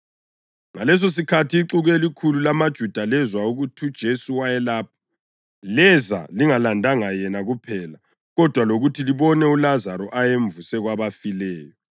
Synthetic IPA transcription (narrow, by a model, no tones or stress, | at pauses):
ŋalɛs̬os̬ikʰatʰiːǁuɣɛlikʰululamad̥ʒ̥ʱud̥ʱalɛzwauɣutʰiud̥ʒ̥ʱesuwajɛlaːp̚ʰḁ | lɛzaliŋalandʱaŋajɛnaɣupʰɛla | ɣɔd̥ʱwaloɣutʰiliβɔnɛulazaɾɔʔajeɱvusɛɣwaβafilɛːjɔ